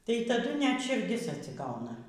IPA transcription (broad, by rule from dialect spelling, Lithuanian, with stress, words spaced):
tɐɪ tɐˈdʊ nʲɛt ʃʲɪrʲˈdʲɪs ɐtʲsʲɪˈɡɐʊnɐ